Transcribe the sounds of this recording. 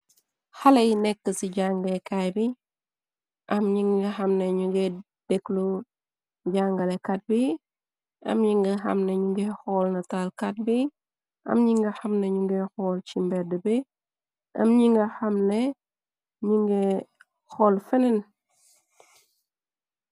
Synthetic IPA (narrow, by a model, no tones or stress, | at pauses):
xɐlɐjinɛkːəsiɟaŋɡlekajbi | ʔɐmɲiŋɡɐxɐmneɲuɡɛ | d̥ɛklu | ɟaŋɡɐlekat̚bi | ʔɐ̰mɲiŋɡɐxɐ̰mneɲuŋɡɛxɔːlnɐtalkat̚bi | ʔɐ̰mɲiŋɡɐxɐmneɲuŋɡɛxɔːlcimbɛdəbi | ʔɐ̰mɲiŋɡɐxɐmnɛ | ɲuŋɡɛ | xɔlfɛnɛn